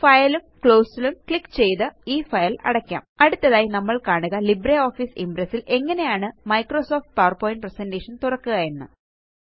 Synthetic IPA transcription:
fɐjɐlumkɭoːsilumkɭikːt͡ɕe̞jt̪ɨiːfɐjɐlɐ̰ɽɐkʲːa̰ːmɐɽut̪ːɐðaːjinɐmːɐɭkaːɳuɣɐlibɾeo̞ːfiːsimpɾesːilʔe̞ŋːɐne̞jaːɳɨmɐjkroːso̞ːfʈ̚paːrpoːjinɖ̚presendeːʂɐnt̪urɐkːuɣɐjenːɨ̰

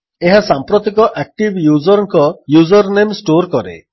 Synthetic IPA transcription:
eɦasampɾɔt̪ikɔʔak̚ʈibjuzɔɾɔŋkɔjuzɔɾnemsʈoɾkɔɾḛ

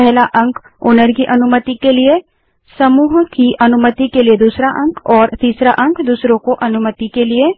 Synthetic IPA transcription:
pɛɦlaʔə̃ŋkʰ | oːnəɾkiʔɐnʊmət̪ikelɪe | səmuːɦkiʔɐnʊmət̪ikelied̪uːsɾaʔɐ̃ŋkʰɔːɾt̪iːsɾaʔɐ̃ŋkʰd̪uːsɾõkoʔɐnʊmət̪ikelɪe

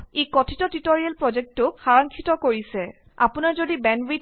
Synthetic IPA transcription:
ekɔtʰitɔtitoɹialpɹɔzek̚tʊkxaɹɔŋkʰitɔkoɹisɛ | a̰punaɹzodibɛnbit

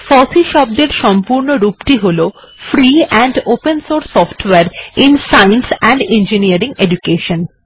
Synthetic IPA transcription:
fɔsiʃɔb̚d̪eɾʃɔmpuɾnoɾupʈiɦolo | fɾiɛ̃ɳɖopensoɾsːɔfʈweaɾinsajnsɛ̃ɳɖend͡ʑiniaɾiŋeɖukeʃon

